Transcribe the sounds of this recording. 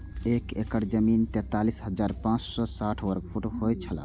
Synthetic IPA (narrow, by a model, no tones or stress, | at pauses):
ekekəɾd͡ʒəmint̪ɛ̃t̪alisɦəd͡ʒaɾpãt͡ʃsɔsaʈʰwəɾɡpʰuʈhojt͡ʃʰəla̰